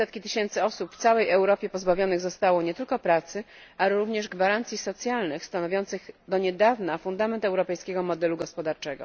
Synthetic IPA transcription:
sɛt̪kʲit̪ɘɕɛnt̪sɘɔsupft̪sawɛjɛwɾɔpʲjɛpɔzbavʲjɔnɘɣzɔst̪awɔɲɛt̪ɘlkɔpɾat̪sɘ | alɛɾuvɲɛʐɡvaɾant̪sʲjisɔt̪sʲjalnɘxst̪anɔvʲjɔnt̪sɘɣd̪ɔɲɛd̪avnafund̪amɛnt̪ɛwɾɔpɛjskʲeɡɔmɔd̪ɛluɡɔspɔd̪aɾt͡ʂɛɡɔ̰

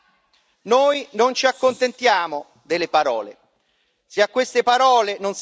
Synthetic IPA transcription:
noːjnont͡ʃiakːont̪ent̪jaːmo | d̪elːepaɾɔ̰ːlḛ | seakːwest̪epaɾɔːlenons

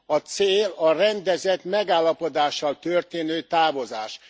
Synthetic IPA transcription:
ɒt̪seːlɒrɛnd̪ɛzɛt̪mɛɡaːlːɒpo̞d̪aːʃːɒlt̪ørt̪eːnøːt̪aːvo̞zaːʃ

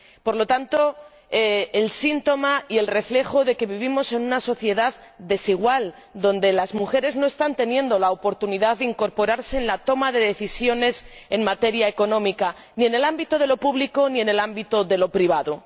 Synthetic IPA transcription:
po̞ɾlo̞t̪ant̪o̞ | eelsint̪o̞maie̞lre̞fle̞xo̞ðe̞ke̞βiβ̞imo̞se̞nunaso̞θje̞ðað | d̪e̞siɣ̞wal | d̪o̞nd̪e̞lazmuxe̞ɾe̞zno̞e̞st̪ant̪e̞njend̪o̞laopo̞ɾt̪uniðaððeiŋko̞ɾpo̞ɾaɾse̞ːnlat̪o̞maðe̞ðe̞θisjo̞ne̞se̞nmat̪e̞ɾjae̞ko̞nõ̞mika | nie̞ne̞lambit̪oð̞e̞lo̞puβliko̞nie̞ne̞lambit̪oðe̞lo̞pɾiβ̞aðo

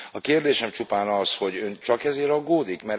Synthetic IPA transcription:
ɒkeːrd̪eːʃɛmt͡ʃupaːnɒsho̞ɟøːnt͡ʃɒkɛzeːɾɒɡːoːd̪ikmɛ

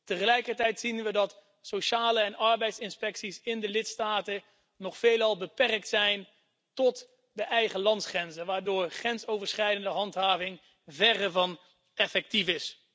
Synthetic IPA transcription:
təχəlɛjkəɹtɛjtsinʋədɑt | soʃaːləɛnʔɑɹbɛjtsɪnspɛksisɪndəlɪtstaːtə | nɔχfejlɑlˠbəpɛrk̚tsɛjn | tɔt | dəʔɛjχəlɑntsχrɛnzənʋaːɹdʊːɹχrɛntsowvəɹsχɛjdəndəɦɑntɦaːvɪŋ | vɛrəɹvɑn | ɛfɛk̚tifɪs

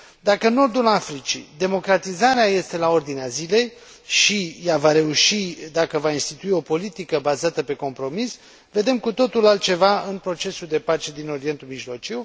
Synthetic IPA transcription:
d̪akənːo̞rd̪ulafɾit͡ʃḭd̪e̞mo̞kɾat̪izaɾeaje̞st̪e̞lao̞rd̪ineazile̞j | ʃijavaɾe̞uʃid̪akəvainst̪it̪uio̞po̞lit̪ikəbazat̪əpe̞ko̞mpɾo̞mis | ve̞d̪e̞mkut̪o̞t̪ulalt̪̚t͡ʃe̞vaɨnpɾo̞t͡ʃe̞suld̪e̞pat͡ʃe̞d̪ino̞ɾie̞nt̪ulmiʒlo̞t͡ʃiw

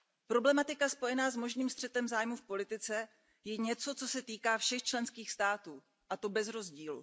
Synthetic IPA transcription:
pɾo̞blɛmat̪ɪkaspo̞jɛnaːzmo̞ʒniːmst̪r̝̥ɛt̪ɛmzaːjmufpo̞lɪt̪ɪt͡sɛ | jɛɲɛt͡so̞t͡so̞sɛt̪iːkaːfʃɛxt͡ʃlɛnskiːxst̪aːt̪uː | ʔat̪o̞bɛzɾo̞zɟiːlṵ

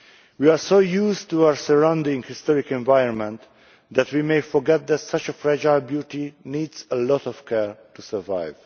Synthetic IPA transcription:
wiaɹsoʊjustuaɹsəɹãʊ̃ndɪ̃ŋhɪstɔɹɪkɛ̃nvaɪə̃nmɛ̃nt̪ | ðætwimeɪfɔɹɡɛt̪̚ðætsʌt͡ʃəfɹɛd͡ʒaɪbjutiniːdzəlɔtɔv̥kʰɛɹtusə˞va̰ɪv̥

